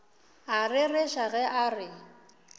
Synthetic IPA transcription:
arɪrɪʃaɣɛʔarɪ

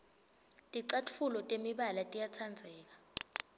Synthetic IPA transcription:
tʼiǀatʰfulɔtʼemiɓalatʼijat͡sʰand͡zʱɛːk̬ḁ

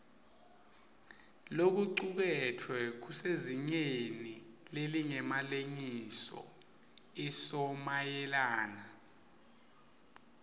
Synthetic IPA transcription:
lok̬uǀuk̬ɛtʰwɛk̬useziŋ͡ǀenileliŋɛmaleŋisɔ̰ | isɔmajɛlaːna

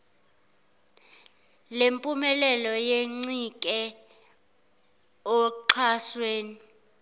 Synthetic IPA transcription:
lempʼumɛlɛlɔjeŋ͡ǀikʼɛ | ɔǃʰasweːni

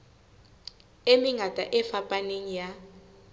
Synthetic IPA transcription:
emiŋatʼaʔɛfapʼaneŋija

